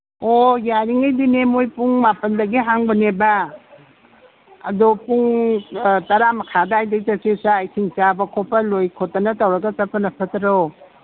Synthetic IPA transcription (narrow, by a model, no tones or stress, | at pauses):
ojaɾiŋajdinemojpuŋmapɐndɐɡiɦaŋbɐneba | ɐ̰dopuŋ | tɐɾamɐkʰadaajdɐitɐsesaːjsʰiŋt͡ʃabɐkʰopʰɐlojkʰotːɐnɐtɐwɾɐɡɐsɐpɐnɐpʰɐtɾo